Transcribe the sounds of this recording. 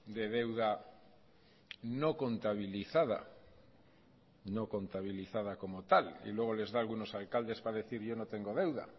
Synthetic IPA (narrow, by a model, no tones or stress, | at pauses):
d̪e̞ðe̞wða | no̞ko̞nt̪aβ̞iliθaða̰ | no̞ko̞nt̪aβiliθaðako̞mo̞t̪alḭlwe̞ɣ̞o̞le̞zðaːlɣuno̞salkald̪e̞spaðe̞θiɾʝo̞no̞t̪e̞ŋɡo̞ð̞e̞wða̰